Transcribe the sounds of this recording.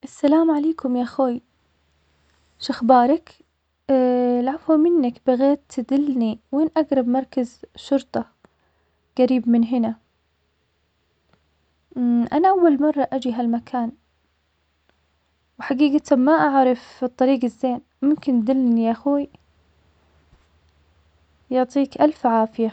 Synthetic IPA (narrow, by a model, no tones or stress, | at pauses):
ʔasːalaːmʕaleːkʊmjaʔxoːj | ʃaxbɑːɾˤɑk | lʕafhʊmɪnːakbaɣeːt̪ːɪd̪ɪlniweːnʔaɡɾˤɑbmɑɾˤkazʃʊɾt̪ˤɑ | ɡ̥aɾiːbmɪnɦɪna | ʔanaʔawːalmɑrˤːɑʔad͡ʒiɦalmakʰaːn | wħaɡiːɡat̪amaʔaʕɾˤɑfɨt̪ˤːɑɾiːɡazːeːn | mʊmkɪnd̪ɪlnjaxuːj | jʊʕt̪ˤiːkʔalfʕaːfɪja